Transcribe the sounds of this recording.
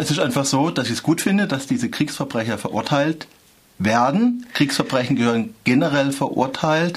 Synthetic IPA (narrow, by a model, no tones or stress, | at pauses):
ʔɛsɪstaɪnfaχz̥oːd̥asɪçɛsɡ̥uːtfɪndədasd̥iːzəkʁ̥iːksfɛɐbʁɛçɐfɛɐʔʊ̰ɐtʰaɪlt | veːɐdn̩kʁ̥iːksfɛɐbʁɛçn̩ɡəhøːʁənɡ̥enəʁɛlfɛɐʔʊ̰ɐtʰaɪlt